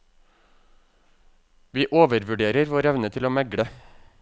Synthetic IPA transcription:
ʋiːʔoːʋəɾʋʉɖeːɾəɾʋoːɾɛʋnət̪ʰɪloːmɛɡɽə

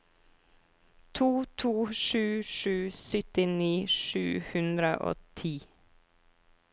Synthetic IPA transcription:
t̪ʰuːt̪ʰuːʃʉːʃʉːsʏt̪ɪniːʃʉ̰ːhʉnd̪ɾəʔo̰ːt̪ʰiː

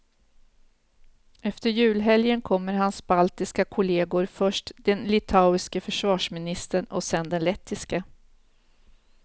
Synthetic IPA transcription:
ɛft̪əɾjʉ̟ːlɦɛljənkʰɔmːəɾɦansbalt̪ɪskakʰʊleːɡʊɾfœʂʈd̪ɛnlɪt̪ʰaʊɪskəfœʂvɑːʂmɪnɪst̪əɳɔ̰sɛnd̪ɛnlɛt̪ʰːɪskə

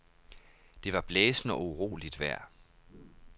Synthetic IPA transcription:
d̥e̝ʋɑ̈b̥leːsn̩ɒ̽uʁo̝̰ːlid̥ʋæɐ̰

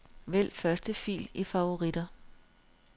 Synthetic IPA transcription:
ʋel̰fɶɐsd̥əfḭːlifɑ̈ʋo̝ʁid̥ɐ

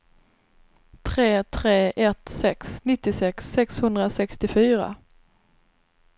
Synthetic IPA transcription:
t̪ʰɾeːt̪ʰɾeːʔɛt̪sɛksnɪt̪ːɪsɛksːɛkshɵnd̪ɾasɛkst̪ɪfyːɾa̰

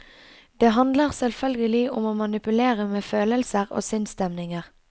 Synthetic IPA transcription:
d̪̥eːɦɑnd̪ləʁsɛlfœlɡəlɪʔʊmoːmɑnɪpʉleːʁəmeːføːləlsəʁo̰ːsʏnst̪ɛmnɪŋəʁ

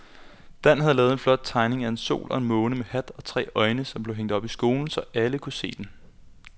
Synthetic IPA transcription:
d̥æn̰ɦæðˠlɛːðˠe̝nflɒ̽d̥̚t͡sʰɑ̈ɪne̝ŋæe̝nso̝̰ːlʔɒ̽e̝nmɔ̽ːnəmehæd̥ɒ̽t͡sʰʁɛ̰ːʔɒ̽ɪnəsɒ̽mb̥le̝ʊeŋ̰d̥ɒ̽b̥isɡ̥o̝ːln̩sɒ̽ʔæləkʰuse̝̰ːd̥en

